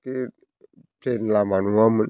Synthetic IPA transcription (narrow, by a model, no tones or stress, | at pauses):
ki | tenlamanuam